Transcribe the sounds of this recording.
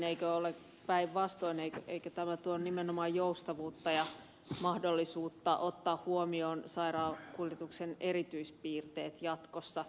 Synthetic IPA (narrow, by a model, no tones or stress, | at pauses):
neikøolek | pæiʋʋɑst̪oineikøeikøt̪æmæt̪uonnimenomɑjjoust̪ɑʋuːt̪ːɑjɑ | mɑhdolːisuːt̪ːɑʔot̪ːɑːhhuomioːnsɑirɑːkuljet̪uksenerit̪yispiːrt̪eːt̪jɑt̪kosːɑ